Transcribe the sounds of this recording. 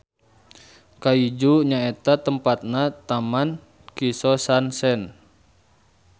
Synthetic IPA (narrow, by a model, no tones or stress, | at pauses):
kaid͡ʒuɲaet̪at̪əmpat̪̚nat̪aman | kisɔsansɛn